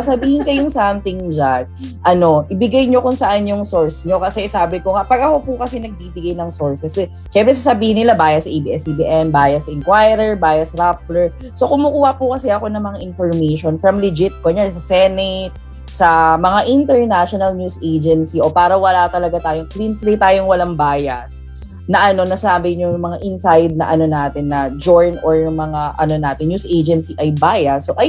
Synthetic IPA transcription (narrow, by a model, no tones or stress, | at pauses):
sɐbiːhɪnkɐjʊŋsamt̪ɪŋd͡ʒaɡ̚ʔɐno̞ʔɪbɪɡajɲo̞kʊŋsɐʔanjʊŋsoɹsɲo̞kɐsɛsaːbɪkoŋaʔpɐɡɐho̞pukɐsɛnɐɡ̚biːbɪɡajnɐŋsoɹsɛs | ʃɛmpɾɛs̬ɐsɐbiːhɪnːɪlabaːjɐsɐʔebiʔɛsibḭʔɛmbaːjɐsɐʔɪnkwajɾɛɹbaːjɐsɐɾap̚lɛɹ | so̞kʊmʊkuːhɐpʊkɐsɛʔɐko̞nɐŋmɐŋaʔɪnfoɹmejʃonfɾɐmlɪd͡ʒɪt̪̚koɲans̬ɐsɛnɛt̪̚ | sɐmɐŋaʔɪnt̪ɛɹnaʃonɐlnjuːsʔejd͡ʒɛnsiʔo̞paːɾɐwɐlat̪ɐlɐɡat̪aːjoŋklinslijt̪aːjoŋwɐlaŋbaːjɐs | nɐʔɐno̞nɐsaːbɪɲʊŋmɐŋaʔɪnsajd̪̚nɐʔɐno̞naːt̪ɪnːɐd͡ʒoɹnʔoɹʊmɐŋaʔɐ̰no̞naːt̪ɪnjuːsʔeːd͡ʒɛnsiʔɐjbaːjɐsoʔɐj